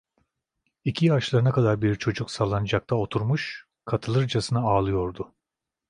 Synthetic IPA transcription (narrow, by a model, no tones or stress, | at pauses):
icʰijaʃlˠaɾɯnakad̪aɾbiɾt͡ʃʰo̞d͡ʒuksalˠːanɯd͡ʒak̚t̪ʰao̞t̪ʰuɾmuʃ | kʰat̪ʰɯlˠɯɾd͡ʒasɯnɯaːlˠɯjo̞ɾd̪ʊ